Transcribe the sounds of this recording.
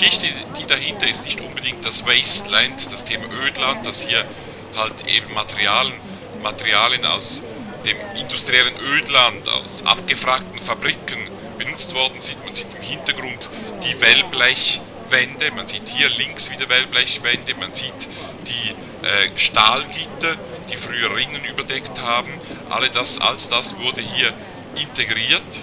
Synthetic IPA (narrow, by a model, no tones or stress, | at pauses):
iʃɪçtəd̥iːdaɦɪntɐɪstnɪçtʔʊnbədɪŋk̚t̚d̥asvɛstlɛndd̥astʰeːmaʔøːtlant̚d̥ashiːɐ | haltʔḛːbn̩matʰɛʁiaːlən | matɛʁiaːljəna̰ʊs | d̥eːmʔɪndustʁiɛlənʔøːdlanta̰ʊsʔa̰pɡ̥əfʁaːk̚tn̩fabʁikən | b̥ənʊt͡stv̥ɔɐdn̩zɪntmanziːtɪmhɪntɐɡʁʊntd̥iːvɛlblɛç | vɛndəmanz̥iːthiːɐlɪŋksv̥iːdɐvɛlblɛçv̥ɛndəmanziːt | d̥iː | ʔɛːʃtaːlɡiːtɐ | d̥iːfʁyːəʁɪnənyːbɐdɛkthaːbn̩ʔa̰lədasa̰lsd̥asv̥ʊɐdəhiːɐ | ʔɪntʰeɡʁiːɐt